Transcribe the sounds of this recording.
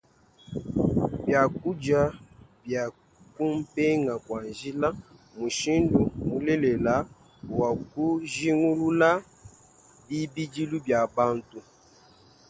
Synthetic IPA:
bja˨ku˦d͡ʒa˨bja˨ | ku˦m˦pɛ˦ŋa˨kwa˨nʒi˦la˦ | mu˨ʃi˦ndu˨mu˨lɛ˦lɛ˨la˨˦˨ | wa˨ku˦ʒi˦ŋu˦lu˦la˦ | bi˦bi˦d͡ʒi˦lu˦bja˨ba˦ntu˨

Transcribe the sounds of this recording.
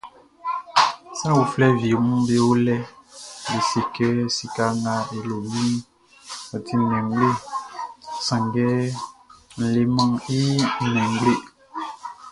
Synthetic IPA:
sã˦wu˨flɛ˦vi˨mũ˦be˦wo˦lɛ˦bi˨se˨kɛ˦si˨ka˦ŋa˨e˨lo˨mi˦ | a˨tʰi˦mɛ̃˨ŋ˦ɡ͡be˦ | sã˨ŋɡɛ˦ | n̩˨le˨mã˦ŋi˦˨mɛ̃˨ŋ˦ɡ͡ble˦˨

